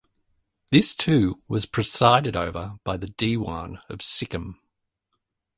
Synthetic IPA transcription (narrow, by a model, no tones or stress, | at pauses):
ðɪstʰʉːwʌz̥pʰɹ̥ɨsaɪɾɨɾəʊvəb̥aɪðɨdiwɑ̰̃nə̰v̥sɪkə̃m